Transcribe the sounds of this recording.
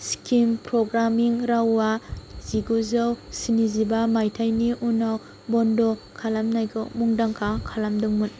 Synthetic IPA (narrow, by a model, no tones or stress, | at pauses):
skimpɾɔɡɾamiŋɾawːaz̥iɡuzawsinizibamajtʰajniʔunaw | bɔndɔkʰalamnajɡɔmuŋdaŋkʰakʰalamdɯŋmun